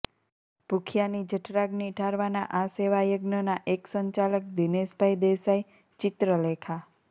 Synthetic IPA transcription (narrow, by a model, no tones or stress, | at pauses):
b̥ʱukʰjanid͡ʒəʈʰɾaɡniʈʰaɾʋana̰ʔaseʋajəɡnənaʔeksəɲt͡ʃalək̚d̪ineʃbʱaid̪esaj | t͡ʃɪt̪ɾəlekʰa